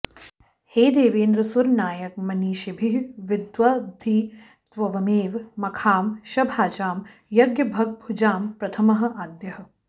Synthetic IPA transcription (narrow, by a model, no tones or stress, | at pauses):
heːd̪eːʋeːnd̪ɾɐsuɾnaːjɐk̚mɐniːʃɐbʱiɦʋɪd̪ʋɐbd̪ʱi | t̪ʋɐʋɐmeːʋmɐkʰaːmʃɐbʱaːt͡ʃaːm | jɐɡjɐbʱɐɡ̚bʱud͡ʒaːmpɾɐt̪ʰɐmɐɦɐ̆ʔaːd̪jɐɦɐ̆